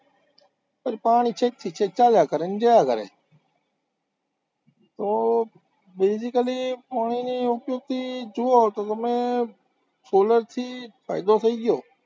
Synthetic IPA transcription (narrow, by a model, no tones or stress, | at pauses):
pəɾpaːɳiːt͡ʃʰet̪ʰiːt͡ʃʰeːt͡ʃaːljaːkəɾend͡ʒəːjaːkəɾḛː | t̪oː | beːsɪkəliːpaːɳiːniːɦopjõːt̪iːd͡ʒʊːoːt̪oːt̪əmẽː | soːləɾt̪ʰiːfa̰ːɪd̪oːt̪ʰəiːɡɪjoː